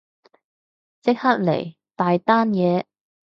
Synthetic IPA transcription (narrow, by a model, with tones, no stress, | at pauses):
t͡sɪ˥k̚hɐ˥t̚lḛ˨˩j | t̪aː˨jt̪aː˥njɛː˨˧